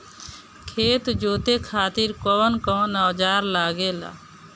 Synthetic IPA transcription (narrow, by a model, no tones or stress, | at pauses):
kʰeːt̪d͡ʒoːt̪ekʰaːt̪ɪɾkɔːnkɔːnaːd͡ʒaːɾlaːɡeːla̰ː